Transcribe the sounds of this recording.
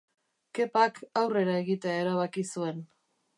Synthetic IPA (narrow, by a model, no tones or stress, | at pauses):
ke̞pakawre̞ɾae̞ɣit̪e̞ae̞ɾaβ̞akisue̞n